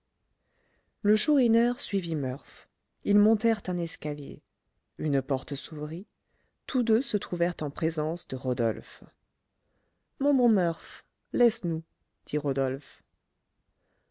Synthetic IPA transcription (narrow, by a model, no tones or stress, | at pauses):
ləʃuʁinœʁsɥivimœʁf | ilmɔ̃t̪ɛʁt̪ɛ̃nɛskaljḛ | ynpɔʁt̪əsuvʁi | t̪ʰud̪øsət̪χuvɛʁt̪ɑ̃pχezɑ̃sd̪əʁɔd̪ɔ̰lf | mɔ̃bɔ̃mœʁf | lɛsnu | d̪̥iʁɔd̪ɔlf